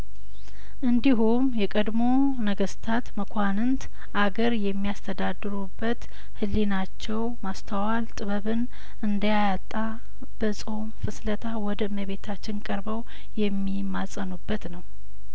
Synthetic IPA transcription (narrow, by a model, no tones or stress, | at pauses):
ʔɨnd̪iɦumjɛkʼəd̪mo̞ | nəɡəst̪ʰat̪məkʷʰanɨnt̪ | ʔaɡəɾjɛmːijast̪ʰəd̪ad̪ɨɾubːət̪ | hɨlːinat͡ʃːɛwmast̪ʰəwalt̪ʼɨβəβɨn | ɨnd̪əjajat̪ʼːa | b̥əsʼo̞mfɨslət̪ʰawɔd̪əməβe̞t̪ʰat͡ʃːɪnkʼəɾbəw | jɛmːimasʼənubːət̪nəw